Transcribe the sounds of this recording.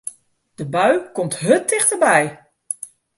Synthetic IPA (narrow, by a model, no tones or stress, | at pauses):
d̥əbœɥkɔmtɦɵtːɪχtəbɛj